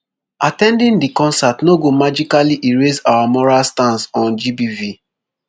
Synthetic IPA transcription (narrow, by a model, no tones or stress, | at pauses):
atɛ̃ndĩndikɔ̃nsatnoɡomad͡ʒikaliʔiɹesawamɔɹalstãnsɔ̃nd͡ʒibivi